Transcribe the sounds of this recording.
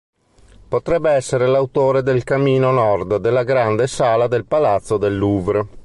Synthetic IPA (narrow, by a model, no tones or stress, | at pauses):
pot̪ɾɛbːeɛsːeɾelawt̪oːɾed̪elkamːiːnonɔrd̪d̪elːaɡɾand̪esaːlad̪elpalat̪sːod̪elːuːvɾ